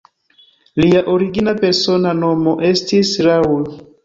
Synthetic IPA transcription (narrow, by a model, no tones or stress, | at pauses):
liaʔoɾiɡinapeɾsonanomoʔestisɾaul